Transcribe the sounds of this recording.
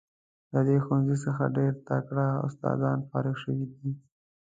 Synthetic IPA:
ləd̪exanzisəxaɖeɾt̪akɽaʊ̰st̪ɑ̰d̪ɑnfɑ̰ɾɪxʃəwid̪i

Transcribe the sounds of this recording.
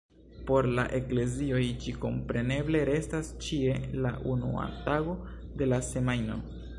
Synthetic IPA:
po̞ɾlaʔe̞kle̞zio̞jd͡ʒiko̞mpɾe̞ne̞ble̞ɾe̞stast͡ʃie̞laʔunṵa̰taɡo̞ | de̞lase̞majno̞̰

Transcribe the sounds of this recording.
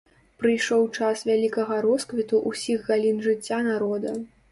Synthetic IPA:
pɾɨjʂɔwt͡ʂasvʲalʲikɐɣɐɾɔskvʲit̪uʔusʲiɣɣalʲinʐɨt͡sʲːanaɾɔd̪ɐ

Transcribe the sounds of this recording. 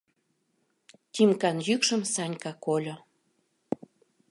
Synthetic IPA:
t̪ʲimkɑnjykʃə̆msɑnʲkɑkolʲo

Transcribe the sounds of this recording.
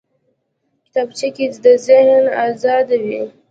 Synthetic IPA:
kɪ̥t̪abt͡ʃikit͡sd̪əzɪhnɑzɑd̪awi

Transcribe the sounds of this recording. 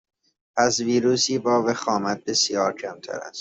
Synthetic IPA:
pʰæsviːɾuːsiːbɒːvexɒːmæt̪̚be̞sjɒːɾcʰæmt̪ʰæ̰ɾæ̰st̪

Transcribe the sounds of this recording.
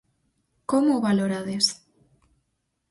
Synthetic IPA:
komoβaloɾaðes

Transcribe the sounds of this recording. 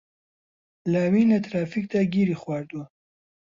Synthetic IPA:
laːwinat̪ɾɑːfik̚t̪aɡiɾixwɑːɾd̪u

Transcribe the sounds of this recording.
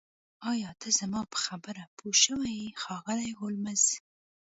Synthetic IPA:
ɑjɑt̪ʰəzamɑpə̥xabəɾapʰoʃəwajxɑɣəlajɣolmaz

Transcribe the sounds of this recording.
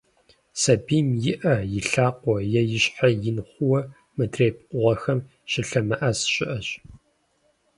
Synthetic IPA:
sɐbiːmjɪʔɐjɪɬaːqʷɔjɛjɪɕħajɪnχʷʊwɐ | mɨdreːjp̚qʷʊʁɐxɐm | ʃɪɬɐmɐʔɐsɕʼɪʔɐɕ

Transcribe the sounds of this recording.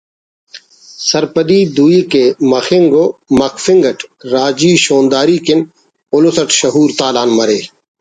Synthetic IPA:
səɾpəɗiːd̪uːiːkeːməxɪŋɡoːmɐkʰfɪŋɡəʈʰɾaːd͡ʒiːʃoːnd̪aːɾiːkɪn | ʊlosəʈʃəɦuːɾt̪aːlaːnməɾeː

